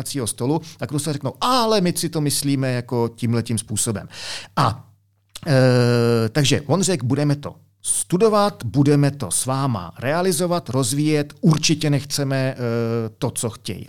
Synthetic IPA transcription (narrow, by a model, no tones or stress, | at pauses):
at͡siːɦo̞st̪o̞lut̪akɾusalrɛknowʔalɛmɪsɪt̪o̞mɪsliːmɛjako̞ciːmlɛciːmspuːso̞bɛ̰mʔa | t̪aɡʒɛvonr̝ɛɡbudɛmɛt̪o̞̰ | st̪udo̞vat̪budɛmɛt̪o̞̰svaːma̰ɾɛalɪzo̞vat̪ɾo̞zviːjɛt̪uɾt͡ʃɪcɛnɛxt͡sɛmɛ | t̪o̞t͡so̞xcɛ̰j̰